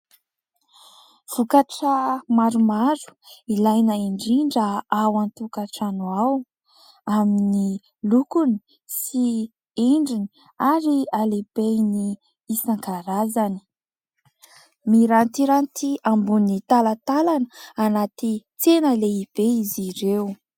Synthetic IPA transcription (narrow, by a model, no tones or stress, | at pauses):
v̥ukaʈ͡ʂəmaɾumaɾu̥ilajnəiɳɖ͡ʐiɳɖ͡ʐəawant̪ukaʈ͡ʂanuaw | amini | lukuni̥ | si | eɳɖ͡ʐini̥ | aɾialeb̥ejniː | saŋkaɾazani̥ | miɾant̪iɾant̪iambunit̪alat̪alanəanat̪it͡senəleib̥eiziɾew